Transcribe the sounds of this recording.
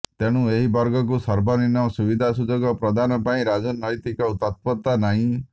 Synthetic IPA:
t̪eɽ̃ũeɦibɔɾɡɔk̬usɔɾbɔninɔsubid̪ʱasud͡ʒɔɡɔpɾɔd̪anɔpaĩɾad͡ʒɔnɔjt̪ikɔut̪ɔt̪̚pɔt̪anaɦĩ

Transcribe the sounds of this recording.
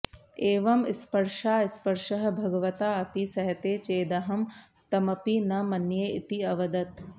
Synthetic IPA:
eːʋɐmɪspɐɾʃaːispɐɾʃɐɦɐ̆bʱɐɡɐʋɐt̪aːɐpisɐɦɐt̪eːt͡ʃeːd̪ɐɦɐm | t̪ɐmɐpinɐmɐnjeːit̪iɐʋɐd̪ɐt̪

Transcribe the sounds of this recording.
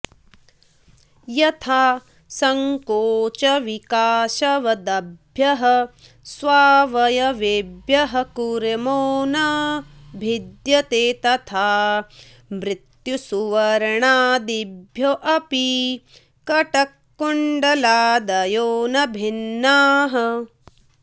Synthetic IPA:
jɐt̪ʰaː | sɐŋkoːt͡ʃɐʋikaːʃɐʋɐd̪ɐbʱjɐɦɐ | sʋaːʋɐjɐʋebjɐɦɐkuɾemoːnɐbʱid̪jɐt̪eːt̪ɐt̪ʰaː | mɾit̪jusuʋɐɾɐɳaːd̪ibʱjoʔɐpi | kɐʈɐkːuɳɖɐlaːd̪ɐjoːnɐbʱinːaːɦɐ

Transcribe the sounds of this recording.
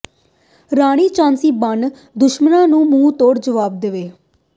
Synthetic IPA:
ɾaːɽ̃iːt͡ʃãːnsiːbən | d̪ʊʃmənãːnũːmũːt̪oːɾd͡ʒəʋaːb̚d̪eʋeː

